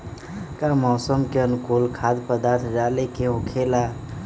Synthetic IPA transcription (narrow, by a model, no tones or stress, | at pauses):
kamɔːsəmkeənkulkʰad̪pəd̪aɾt̪ʰd͡ʒalekeɦokʰela